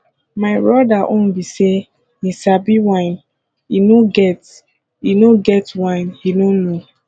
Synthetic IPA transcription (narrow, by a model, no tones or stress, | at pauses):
maɪbɹɔdaʔõnbise | isabiwãɪ̃n | inoɡɛt | inoɡɛtwãɪ̃nhinono